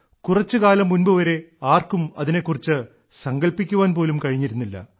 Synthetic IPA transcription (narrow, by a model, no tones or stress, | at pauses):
kurɐt͡ɕːɨkaːlɐmːunbɨʋɐɾe̞aːrkumɐ̰ðine̞kːurit͡ɕːɨ | sɐŋɡɐlpikʲːuʋaːnp̬o̞ːlumkɐɻiɲːiɾunːilːɐ̰